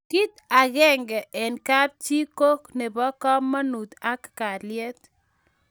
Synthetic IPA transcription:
ki˦t̪a˨ɣɛ˦ŋɡɛ˨ʔɛ˨nka˦ɾ̚t͡ʃi˦ko˦kne˨bɔ˦kɔ˦mːa˦nu˨t̪a˦kka˨lɪɛ˦t̪

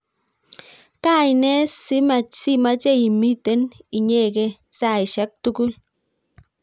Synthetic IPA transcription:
ka˦˨jnɛ˦sɪ˦ma˨t͡ʃsɪ˦ma˦t͡ʃe˦i˨mi˦te˦ni˨ɲe˦˨ke˦ | sa˨i˨ʃɛ˦k̚tu˦kʊ˦l

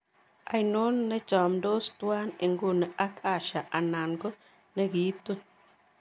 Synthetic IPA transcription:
a̰˦jnu˦nːɛ˦t͡ʃɔ˨md̪o˦st̪wa˦ne˨ŋɡu˦˨nɛ˨ʔa˦kʰʼa˦˨ʃa˨ʔa˨na˨nko˦ | ne˦ɡi˨˦t̪o˦

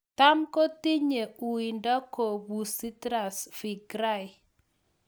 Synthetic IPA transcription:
ta˦mko˦ti˦ɲe˨u˨i˨ndɔ˦ko˨bu˨si˦tɾa˨sfi˨ɡɾa˦˨ɪ˨

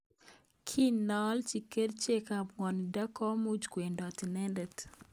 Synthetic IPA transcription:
kʰi˦nɔ˨lt͡ʃi˨ke˦dt͡ʃe˦ka˨bŋɔ˨ni˨da˦kɔ˦mu˦d͡ʒkwe˨ndɔ˨ti˨nɛ˦ndɛ˨t

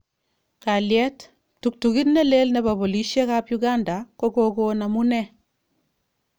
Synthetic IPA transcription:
ka˨ljɛ˦t | tu˨k̚tuki˦tnɛ˦le˦lnɛ˨ba˨bo˨li˨˦ʃɛ˦ka˦pjuɡa˦nda˨ko˦ko˦ko˦na˨mu˦nɛ˦

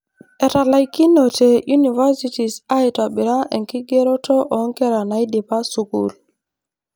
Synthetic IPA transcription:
e˨ta˨la˨jki˦no˨te˨ju˦ni˨va˦si˦ti˨sa˦jta˨ɓi˨ɾa˦ʔe˨ŋki˦ɡe˦ɾo˦to˦ʔɔ˨˦ŋke˦ɾa˨na˨jdi˨pa˦su˨kṵ˨l

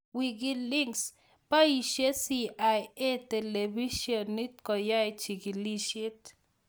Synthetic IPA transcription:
wi˧ɡi˦li˦ŋs | pa˦i˨ʃe˦si˧a˨je˦t̪e˨le˨bi˦ʃjo˨nːi˦t̪̚ko˨ja˦jt͡ʃi˨ɡi˨li˦ʃi˦t̪

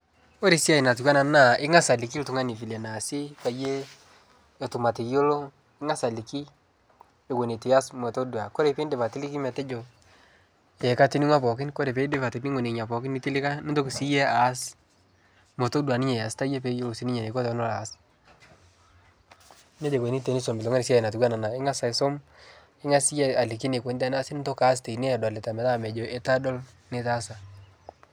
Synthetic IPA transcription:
o˦ɾe˨si˦a˨i˨na˨tʊ˨kwa˦na˨na˦˨ɪ˦ŋa˦sa˨lɪ˨k̬i˦ltʊ˨ŋa˦ni˨fi˨le˨na˨si˦pa˨jeː˦˨ | tʊ˨ma˨tɪ˨kjo˦lo˦ | ɪ˦ŋa˦sa˨li˨ki˦ | e˨wo˨ne˨ti˨a˦smo˨to˦dwa˨ko˦ɾe˨pe˦nde˨pa˨tɪ˦lɪ˦kɪ˦mɛ˨tɛ˦d͡ʒo˨ | e˨ka˦tɪ˦ni˦ŋwa˦pɔ˨k̬ɪ˦nko˦ɾe˨pe˨˦dɪ˦pa˨te˨ni˦ŋwo˨ne˨ɲa˨pɔ˨kɪ˦ni˦tɪ˦lɪ˦ka˦nɪ˦nto˦ksi˦je˦a˨˦s | mo˨to˦dwa˨nɪ˦ɲe˨ja˨sta˦je˦pe˦jo˦o˨si˨˦ni˦ɲe˨ne˨ko˦tɔ˨˦no˦la˨˦s | ne˦d͡ʒe˨kwe˨ni˦te˨ni˦so˨mbɪ˨ɔ˨ŋe˦ɾɪ˨si˦˨na˨tɪ˨ɡwa˦na˨na˨ɪ˦ŋa˦sa˨ɪ˨so˦m | ɪ˦ŋa˦si˦je˦a˨li˨k̬i˦ne˨kʷwe˨˦nda˦na˦sɪ˦nɪ˦to˦ka˦ste˨i˨ne˦a˨dwa˨lɪ˨ta˨mɛ˨la˦˨mɛ˨d͡ʒo˨ʔe˦ta˦dɔ˦l | ne˨˦ta˦sa˨

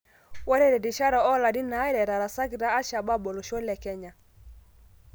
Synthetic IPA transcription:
wa˦ɾɛ˦ɾɛ˨di˨ʃa˦ɾɔ˨ɔ˦la˨di˦na˨˦ɛ˦ɾɛ˨ɾa˨ɾa˨sa˦ɡi˨ɾa˦a˦ʃa˨ba˦bɔ˨lo˨ʃɔ˦lɛ˨kɛ˦ɲa˨

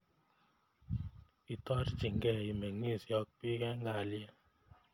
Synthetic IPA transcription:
i˨tɔ˦ɾd͡ʒi˨ŋɡɛ˦˨i˨me˨ŋi˦˨sɔ˧˦k̚pi˦kɛ˦ŋɡa˨ljɛ˦

